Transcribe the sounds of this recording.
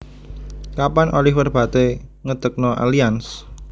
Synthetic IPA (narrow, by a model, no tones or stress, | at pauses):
kapanʔolɪhwərb̥a̤t̪eŋəd̪̥ək̚nɔʔa̰lians